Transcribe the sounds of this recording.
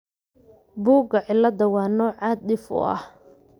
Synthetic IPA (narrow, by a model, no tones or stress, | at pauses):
buːɡɐʕɪlːɐd̪ɐwɑːnɔːʕaːd̪̚ɗɪfʊ̰ʔɐ̰h